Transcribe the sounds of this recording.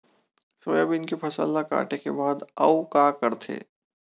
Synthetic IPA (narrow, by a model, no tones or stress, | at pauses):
soːjabinkepʰɐsə̰ld̪aka̰ːʈekebaːd̪ɐ̰wkaːkɐɾt̪ʰḛː